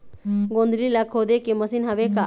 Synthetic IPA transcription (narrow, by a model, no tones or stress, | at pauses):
ɡõnd̪lilakʰod̪ekeməsinɦɐʋeka